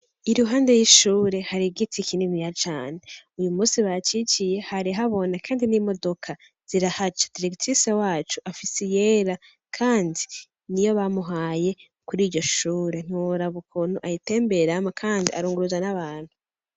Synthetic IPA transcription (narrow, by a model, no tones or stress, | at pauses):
iɾuɦaːnde̞jiʃuːɾe̞haɾiɡitikinimijat͡ʃaːneujumuːsiβat͡ʃit͡ʃije̞haɾiɦaβo̞nakʰaːndinimo̞do̞kʰa | z̥iɾahat͡ʃḁd̥iɾektʰisewaːt͡ʃuʔafisijeːɾa | kʰaːndi | nijo̞βamuɦaːje̞ | kuɾiːɾɟo̞ʃuːɾe̞n̥uɾaβukʰonoʔajite̞ːmbe̞ɾamakʰaːndiaɾuːŋɡuɾuzanaβaːnhu